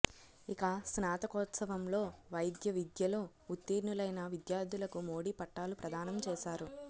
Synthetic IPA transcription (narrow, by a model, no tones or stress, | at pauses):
ikɐsnaːt̪ɐkɔːt̪sɐʋɐmlo̞ːʋɐjd̪jɐʋid̪jɐlo̞ː | ut̪ːiːɾnulɐjnɐʋid̪jaːɾd̪ulɐkumo̞ːɽipɐʈːaːlupɾɐd̪ʱaːnɐmt͡ʃɛːʃaːɾu